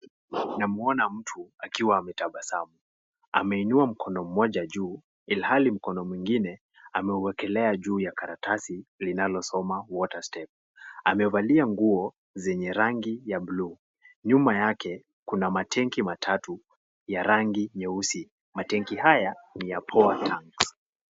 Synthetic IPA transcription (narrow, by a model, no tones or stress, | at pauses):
namuɔnam̩tʰuakiwaːmɛtaɓasamu | a̰mɛinuam̩kʰɔnɔm̩mːɔʄaʄuː | ilhalim̩kɔnɔmwiŋɡinɛ | amɛuwɛkɛlɛaʄuːjakaɾatʰasilinalɔsɔmawɔtastɛp̚ | amɛvaliaŋɡuɔ | zɛɲɛɾaŋɡijablu | ɲumajakɛ | kunamatʰɛŋkimatʰatu | jaɾaŋɡiɲɛusi | matɛŋkihajanijapʰɔatʰaŋks